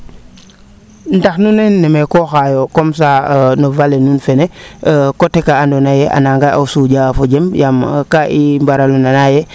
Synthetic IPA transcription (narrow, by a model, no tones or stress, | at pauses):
ndaxnunenːɛmekoxajokoms̬anovalenunfenekotekaandonajeʔa̰naŋɡaʔa̰usuɟafoɟembjamkaʔimbaɾalunanaje